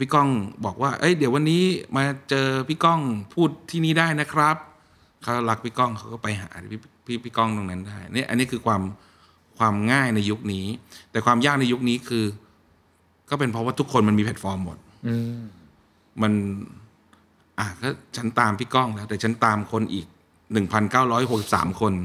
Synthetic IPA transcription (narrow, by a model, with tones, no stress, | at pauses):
pʰiː˥˩kɔ˥˩ŋbɔː˨˩k̚waː˥˩ʔɤ˦˥jdi˨˩˦əwa˧nːiː˦˥maː˧t͡ɕɤː˧pʰiː˥˩kɔ˥˩ŋpʰuː˥˩t̪ʰːiː˥˩niː˥˩daː˥˩jna˦˥kʰɾa˦˥p̚ | kʰa˦˥˩la˦˥k̚pʰiː˥˩kɔ˥˩ŋkʰa˦˥wkɔː˥˩pa˧jɦa̰ː˩˦i˥˩pʰiː˥˩pʰiː˥˩kɔ˥˩ŋt̪o˧ŋna˦˥ndaː˥˩jʔni˦˥ʔa̰˧nːi˦˥˩kʰɯː˧kʰwaː˧m | kʰwaː˧mŋaː˥˩jna˧jːu˦˥k̚niː˦˥t̪ɛː˨˩kʰwaː˧mjaː˥˩k̚na˧ju˦˥k̚niː˦˥kʰɯː˧ | kɔː˥˩pe˧npʰɾɔ˦˥waː˥˩t̪ʰu˦˥kʰːo˧nma˧nmiː˧pʰɛ˨˩t̪̚fɔː˧mːo̰˨˩t̪̚ | ma˧n | ʔa˨˩kʰa˥˩t͡ɕʰa˦˥nt̪aː˧mpʰiː˥˩kɔ˥˩ŋlɛː˦˥t̪ɛː˨˩t͡ɕʰa˦˥nt̪aː˧mkʰo˧nʔiː˨˩k̚ | nɯ˨˩ŋpʰa˧nkaː˥˩wɾɔː˦˥jɦo˨˩k̚si˨˩sa̰ː˩˦mkʰo˧n